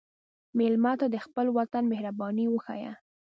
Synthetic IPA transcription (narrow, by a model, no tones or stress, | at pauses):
mɪlmɑt̪ad̪əxpəlwat̪anmɪhɾabɑniwəxa̰ja̰